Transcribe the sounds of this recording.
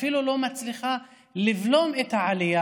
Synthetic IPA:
filulo̞mat͡sliχa | livlo̞met̪haʕalija

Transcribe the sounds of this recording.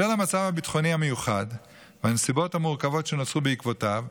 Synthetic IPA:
elamat͡savhabitχo̞nihamejuχad | veanesibo̞thamuʁkavo̞tʃenot͡subeikvo̞tav

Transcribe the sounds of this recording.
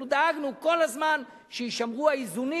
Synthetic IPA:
ud̪aaɡnuko̞lazman | ʃejiʃamʁuaizuni

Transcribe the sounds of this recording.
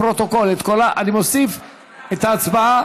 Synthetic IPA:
ɾot̪o̞kolet̪kolaʔanimosif | et̪aːt͡sbaa

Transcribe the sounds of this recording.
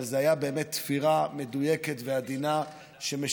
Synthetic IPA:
lzeajabe̞emet̪ːfiʁame̞dujeketvead̪ina | ʃeme

